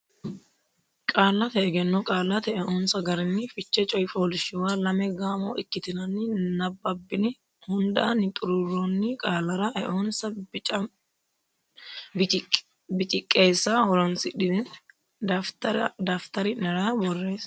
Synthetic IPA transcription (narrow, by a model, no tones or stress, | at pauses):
kʼaːlːɐt̪ɛɛɡɛnːɔkʼaːlɐt̪ɛʔɛʔoːnsɐɡɐɾɪnːɪfɪt͡ʃːɛt͡ʃʼɔjfoːlɪʃɪwaːlɐmɛɡaːmo̰ːʔɪkːɪt̪ɪnɐnːɪnɐbːɐbːɪnɪ | hʊnd̪ɐʔɐnːɪt̪ʼʊɾʊɾːonːɪkʼaːlɐɾɐʔɛʔoːnsɐ | bɪt͡ʃʼɪkʼːe̞ːsːahɔlɔnsɪᶑɪ | td̪aːft̪ɐɾɪnɛɾaːbɔrːe̞ːs